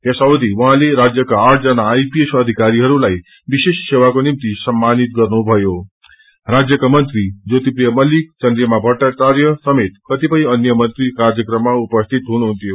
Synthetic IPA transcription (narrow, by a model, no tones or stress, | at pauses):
jʌsawd̪iwʌɦãleɾad͡zjʌkaːrʈʰd͡zʌnaːjpiesʌd̪ʱikaɾiɦʌɾulaj | bisessewakonimt̪isʌmːanit̪̚ɡʌrnubʱʌjo | rad͡zjʌkamʌnt̪rid͡zot̪iprijʌmʌlik̚t͡sʌnd̪ɾjʌmabʱʌɽʈat͡sarjʌsʌmet̪̚kʌt̪ipʌj̃ʌnjʌmʌnt̪rikard͡zjʌkrʌmːaupʌst̪ʰit̪ɦunuɦunt̪jo